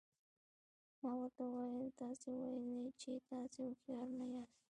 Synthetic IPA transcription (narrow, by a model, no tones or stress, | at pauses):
mawat̪awajant̪asɪwajnat͡ʃɪt̪asɪʊkjaɾnaja